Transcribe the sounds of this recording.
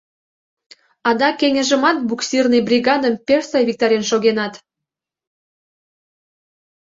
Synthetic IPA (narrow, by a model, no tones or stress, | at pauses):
ɑd̪ɑkeŋʲə̆ʒəmɑt̪̚buksirnɨjbrʲiɣɑd̪əmpʲersɑjvʲik̚t̪ɑɾʲenʃoɣenɑt̪